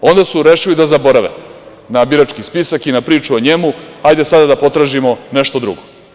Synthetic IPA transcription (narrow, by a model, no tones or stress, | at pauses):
o̞nd̪asuɾeʃilid̪azabo̞ɾaʋḛ | nabiɾat͡ʃkispisakinapɾiːt͡ʃuoɲemuajd̪e̞sad̪ad̪apo̞t̪ɾaːʒimoneʃt̪od̪ɾṵɡo